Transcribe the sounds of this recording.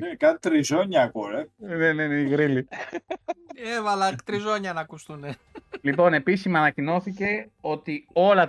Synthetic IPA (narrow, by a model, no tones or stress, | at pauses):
nekɐt̪it̪ɾizoɲɐːkoɾeneneneiɣɾili | evɐlɐt̪ɾizo̞ɲɐnɐkust̪unelipo̞ne̞pisizmɐːnɐcino̞θice̞o̞t̪io̞lɐ